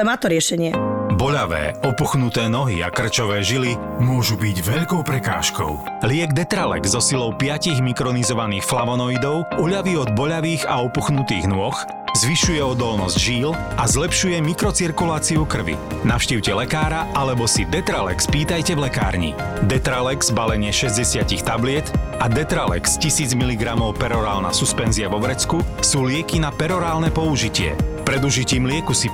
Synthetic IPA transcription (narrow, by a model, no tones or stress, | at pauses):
maːt̪ɔɾɪɛʃɛɲɪɛbɔʎaʋɛ̰ːɔpuxnut̪ɛːnɔɦḭa̰kr̩t͡ʃɔʋɛːʒili | mʊɔʒubiɟʋɛʎkɔʊpɾɛka̰ːʃkɔ̰ʊ | lɪɛɡd̪ɛt̪ɾalɛ̰ɡzɔsilɔʊpɪaciɣmikɾɔnizɔʋaniːxflaʋɔnɔid̪ɔʊuʎaʋiːɔd̪̚bɔʎaʋiːɣa̰ɔpuxnut̪ḭːɣnʊɔx | zʋiʃujɛɔd̪ɔlnɔzɟʒiːlazlɛpʃujɛmikɾɔt͡siɾkulaːt͡siukr̩ʋḭ | naʊʃciːʊcɛlɛkaːɾaʔalɛbɔsid̪ɛt̪ɾalɛ̰kspiːt̪ajcɛʋlɛka̰ːɾɲḭd̪ɛt̪ɾalɛɡz̥balɛɲɪɛʃɛzɟɛsɪacixt̪ablɪɛt̪ad̪ɛt̪ɾalɛ̰kscisiːd͡zmiliɡɾamɔʊpɛɾɔɾaːlna̰suspɛnziaʋɔbɾɛt͡skusuːlɪɛkinapɛɾɔɾaːlnɛpɔuʒicɪɛ̰pɾɛd̪uʒiciːmlɪɛkusi